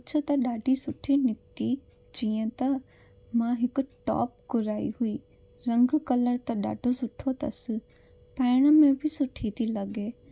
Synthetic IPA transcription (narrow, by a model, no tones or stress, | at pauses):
ɐt͡ʃʰət̪ɐɗaːɖʱisʊʈʰinɪt̪i | d͡ʑiːə̃t̪ɐ | mãɦɪkʊ̆ʈɔ̰ːp̚kʊɾaːḭɦuiː | ɾɐ̃ŋɡkɐləɾt̪ɐɗa̰ːɖʱosʊʈʰot̪ɐ̰sɪ̆ | pɛːɽ̃ə̆mẽbʱɪsʊʈʰit̪ʰilɐɠeː